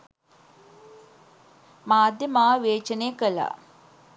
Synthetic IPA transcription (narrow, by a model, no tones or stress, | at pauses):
maːd̪jəmaːʋeːt͡ʃənejəkəla̰